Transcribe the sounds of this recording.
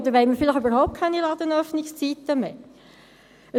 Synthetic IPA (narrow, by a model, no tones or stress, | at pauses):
d̪əɾʋɛɪmiɾfɪlɪχybəɾhɔʊp̚t̚kʰɛnilɑd̪ənœfnɪkst͡sit̪ːəmeː | ə